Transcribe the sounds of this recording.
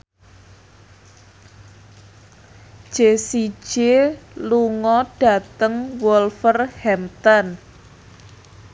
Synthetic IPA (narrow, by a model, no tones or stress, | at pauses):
ʒ̥esi̥ʒ̥eluŋɔɖ̥a̤t̪əŋwɔlfərhɛmt̪ɔn